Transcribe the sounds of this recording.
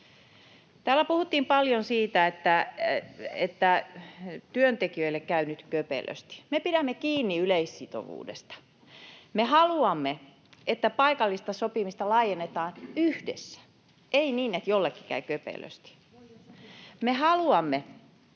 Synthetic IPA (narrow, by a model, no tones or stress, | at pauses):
t̪æːlːˑæpuhut̪ːiːmpɑljonsiːt̪æet̪ːæ | ḛt̪ːæ | t̪yønt̪ekiøilːekkæynyt̪køpḛlø̰st̪i̥mepiɾæmːekiːnːiyleissit̪o̰ʋṵːdḛst̪ɑ̥ | mehɑluɑmːe | et̪ːæpɑikɑlːist̪ɑsopimist̪ɑlɑːijenːet̪ɑːnyhdḛsːæ̥ | ʔeiniːnet̪jolːekːi̥kæ̰ykøpḛlø̰st̪i̥ | mehɑluɑmːe